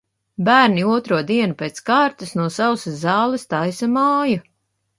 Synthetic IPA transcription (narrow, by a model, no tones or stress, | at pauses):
bæːɾniuɔt̪ɾuɔd̪iɛnupeːt̪skaːɾt̪ɨsnuɔsawszɑːlˠɛst̪ajsamaːja